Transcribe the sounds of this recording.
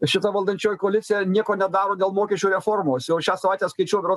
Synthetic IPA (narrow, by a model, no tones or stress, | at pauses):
ʃʲɪt̪ɐʋɐlˠd̪ɐnʲt͡ʃʲoːjkoːlʲɪt̪sʲɪjɛnʲiɛkoːnʲɛd̪ɑːɾoːd̪ʲeːlˠmoːkʲɛʃʲuːɾʲɛfoːrmoːsjɛʊʃʲæːsɐʋɐɪt̪ʲæːskɐɪt͡ʃʲuɔjbʲɾo